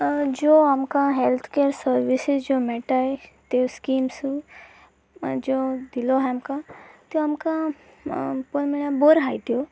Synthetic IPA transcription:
d͡ʒoamkãɦelt̪ʰkeəɾsəɾʋisɪzd͡ʒomeʈaɦet̪eskiːmsu | d͡ʒod̪iloɦeamkãt̪joamkã | ponmiɭjãboɾɦajt̪jo

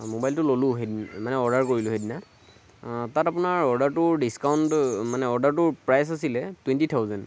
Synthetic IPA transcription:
mobajltʊlolʊ̃ɦednmanɛɔɹdaɹkoɹilʊɦedina | tatapʊnaɹɔɹdaɹtʊɹdiskaʊntmanɛɔɹdaɹtʊɹpɹajsasilɛtwɛntitʰawzɛn

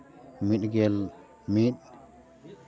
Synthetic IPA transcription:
mitɡɛl | mit̚

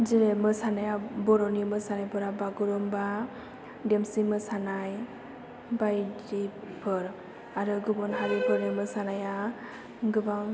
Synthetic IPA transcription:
zeemɯsanajabɔɾɔnimɯsanajpɯɾabaɡuɾɔmba | dɛmsimɯsanaj | bajdipʰɯɾ | aɾɯɡɯbɔnɦaɾibʰɯɾɯmɯsanaja | ɡɯbaŋ

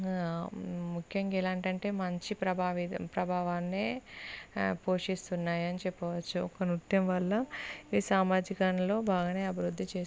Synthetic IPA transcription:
mukʰjɐŋɡilaːɳʈɐɳʈe̞ːmɐɲt͡ʃipɾɐbaːʋipɾɐbʱaːʋaːnːeː | po̞ːʂist̪unːaːjɐnit͡ʃepːɐʋɐt͡ʃːuɔkɐnut̪jɐmʋɐlːɐiːsaːmaːd͡ʒikɐɳɐlo̞ːbaːɡɐneːɐbʱiɾud̪ʱːit͡ʃe̞ː

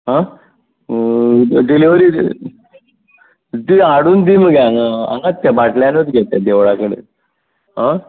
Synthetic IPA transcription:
ɦã | d̪iliʋəɾi | d̪iaɽuːnd̪iməɡeŋaa̰ŋɡat̪ːabaʈljanət̪ɡʱet̪ed̪eʋɭakəɽḛ | ɦã

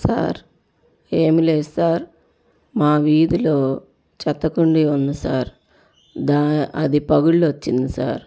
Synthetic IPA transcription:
sa̰ːɾ | eːmileːsaːɾ | maːʋiːd̪ilo̞ː | t͡ʃɐt̪ːɐkuɳɖiunːisaːɾ | d̪aːɐ̰d̪ipɐɡuɭːuʋɐt͡ʃːind̪isa̰ːɾ

